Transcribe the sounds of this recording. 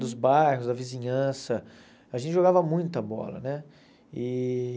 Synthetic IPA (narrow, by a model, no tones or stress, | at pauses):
d̪ʊzbajɦʊzd̪ɐvizĩɲɐ̃sɐ | aʒẽt͡ʃɪʒoɡavɐmũj̃t̪ɐbɔ̰lɐ̰nɛ | ɪ